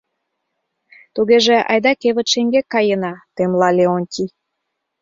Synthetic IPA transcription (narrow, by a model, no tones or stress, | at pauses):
t̪uɣeʒeɑ̰jd̪ɑkeβə̆t̪ʃeŋɡekːɑjənɑt̪emlɑlʲeonʲtʲi